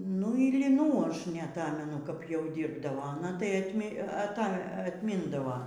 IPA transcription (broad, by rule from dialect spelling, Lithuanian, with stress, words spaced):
nʊ ɪr lʲɪˈnuː ˈɐʃ nʲɛɐˈtɑːmʲɛnʊ kɐp jɛʊ ˈdʲiːrbdɐʋoː ɐˈnɐ tɐɪ ɐtʲˈmʲɪ ɐˈtɐ ɐtʲˈmʲɪndɐʋɐ